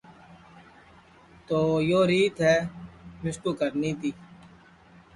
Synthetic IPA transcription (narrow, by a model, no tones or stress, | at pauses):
t̪oːjoːɾiːt̪ɦɛːmɪskuːkəɾniːt̪iː